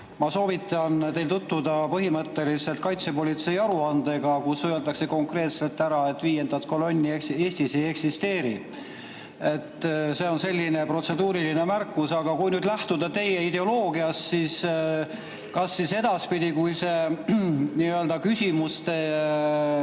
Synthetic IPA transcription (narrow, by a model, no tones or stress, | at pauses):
mɑso̞ːvit̪ːˑɑnt̪e̞jlt̪ut̪ːud̪ɑpɤɦimɤt̪ːe̞lise̞lt̪̚kɑjt̪se̞po̞lʲit̪se̞jɑɾuɑnd̪e̞ɡ̥ɑkusøeld̪ɑkse̞ko̞ŋkre̞ːt̪se̞lt̪ːˑæɾɑe̞t̪ːˑviːje̞nd̪̥ɑt̪ˑko̞lo̞nʲːiekse̞ːsʲt̪ise̞je̞ksist̪e̞ːɾḭ | e̞t̪ːˑse̞o̞nse̞lʲːine̞pro̞t̪se̞d̪uːɾiline̞mærkːˑusɑɡ̥ɑkujnyːd̪læht̪ud̪ɑt̪e̞je̞id̪e̞o̞lo̞ːɡiɑssis | kɑsːise̞d̪̥ɑspid̪̥ikujse̞ | niøld̪ɑkysʲimust̪e̞